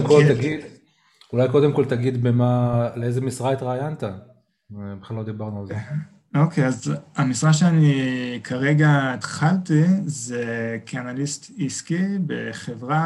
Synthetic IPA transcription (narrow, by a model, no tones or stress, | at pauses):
mkolt̪aɡid̪ | ulajko̞d̪emko̞lt̪aɡid̪bemaleezemisʁaet̪ʁaːjant̪a | beχlalo̞d̪ibaʁnualze | o̞kejazamisʁaʃ̬eanikʰaʁe̞ɡaet̪χalt̪izekʰianalist̪iskibe̞̰χevʁa